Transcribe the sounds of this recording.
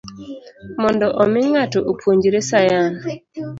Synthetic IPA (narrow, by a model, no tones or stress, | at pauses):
mɔndɔʔɔmɪŋatoʔopʰwoɲd͡ʒɾesajan